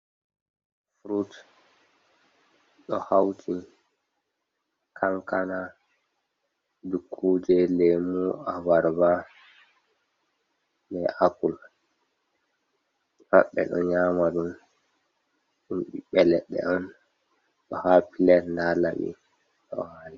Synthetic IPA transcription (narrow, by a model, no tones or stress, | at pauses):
fɾut | ɗɔhawtʰi | kʰaŋkana | dukʰːuːd͡ʒɛlɛmuawaɾba | lɛapul | taɓːɛ̰ɗɔɲaːmaɗun | ɗumɓiɓɛlɛɗːɛ̰ɔn | ɗɔhapilɛɾndalaɓḭ | ɗɔ̰wali